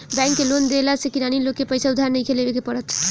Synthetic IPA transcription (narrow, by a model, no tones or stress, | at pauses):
bɛ̃ŋkːelond̪elasekinanilokːepəjsaud̪ʱaɾnəjkʰelebekepəɾət̪ʰ